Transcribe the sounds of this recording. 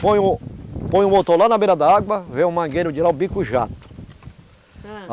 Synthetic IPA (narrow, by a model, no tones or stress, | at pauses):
põj̃ʊpõj̃ũbot̪olanɐbeɾɐd̪aaɡwɐvẽũmɐ̃ŋɡeɾʊd͡ʒilaũbikuʒa̰t̪ʊ̥